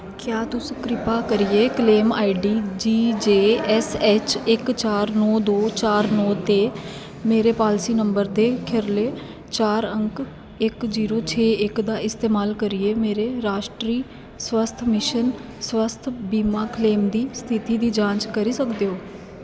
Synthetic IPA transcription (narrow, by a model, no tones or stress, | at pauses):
kjaːt̪ʊskɾɪpaːkəɾieːkleːma̰ːiɖiːd͡ʒiːd͡ʒeːɛsɛːt͡ʃɪkt͡ʃaːɾnɔːd̪oːt͡ʃaːɾnɔːt̪eː | meːɾeːpaːlsiːnəmbəɾd̪eːkʰɪɾleː | t͡ʃaːɾəŋk | ɪkziːɾoːt͡ʃʰeːɪkd̪aːɪst̪eːmaːlkəɾɪeːmeːɾeːɾaːʃʈɾiː | swəst̪ʰmɪʃən | swəst̪ʰbiːmaːkleːmd̪iːst̪ʰɪt̪iːd̪iːd͡ʒãːt͡ʃkəɾiːsəkd̪eːɦoː